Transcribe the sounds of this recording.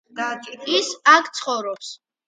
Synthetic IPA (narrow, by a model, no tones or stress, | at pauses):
isakʰt̪sʰχɔvɾɔps